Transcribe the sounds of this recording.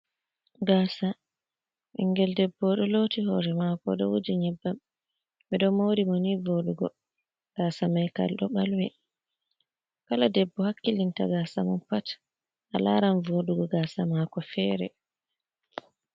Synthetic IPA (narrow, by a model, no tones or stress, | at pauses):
ɡaːsa | ʔiŋɡɛldɛbːɔɗɔlotihɔɾɛmakɔɗɔwod͡ʒiɲɛbːam | ɓɛɗɔmowɾimɔnivoɗuɡɔ | ɡ̥aːsamajka̰lɗɔɓalwɛ | kaladɛbːɔhakːilinta̰ɡasa̰mɔnpat | ʔa̰la̰ɾanvoɗuɡɔɡaːsamakɔfɛɾɛ̰